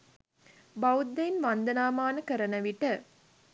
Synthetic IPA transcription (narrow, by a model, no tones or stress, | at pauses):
bawud̪ːenʋand̪ənaːmaːnəkəɾənəʋiʈə